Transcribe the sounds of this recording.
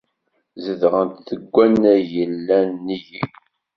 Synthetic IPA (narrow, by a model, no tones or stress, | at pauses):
zəðʁənt̪θəɡʷːænːæjəlːænːiji